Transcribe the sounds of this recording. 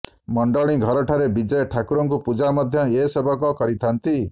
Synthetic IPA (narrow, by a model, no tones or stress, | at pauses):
mɔɳɖɔɭ̃iɡʱɔɾɔʈʰaɾebid͡ʒɔjʈʰakuɾɔŋkupud͡ʒamɔd̪ʱjɔesebʱɔkɔkɔɾit̪ʰant̪i